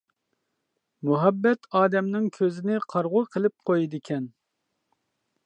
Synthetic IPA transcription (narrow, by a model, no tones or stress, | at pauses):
muɦɛbːɛt̪ʰɑːd̪ɛmnɪŋkʲʰøzɪnɪqʰɑɾʁʊqʰəlˠɪp̚qʰojid̪ɪkʲʰɛn